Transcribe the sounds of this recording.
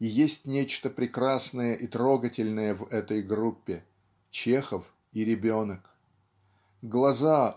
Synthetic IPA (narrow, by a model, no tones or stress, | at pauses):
jesʲtʲnʲet͡ɕt̪əpɾʲɪkɾasnəjəʔit̪ɾo̞ɡətʲɪlʲnəjəvɛt̪əjɡɾupʲːɪ | t͡ɕe̞xəf | iɾʲɪbʲonək | ɡlˠɐza